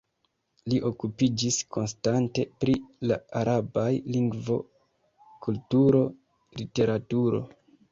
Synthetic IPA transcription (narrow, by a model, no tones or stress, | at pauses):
liʔo̞kupid͡ʒisko̞nstante̞pɾilaaɾabajliŋɡvo̞̰ | kultuɾo̞ | lite̞ɾatuɾo̞̰